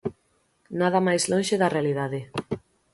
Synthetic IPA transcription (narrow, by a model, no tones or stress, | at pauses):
nað̞amajslõnʃeðarealiðaðɪ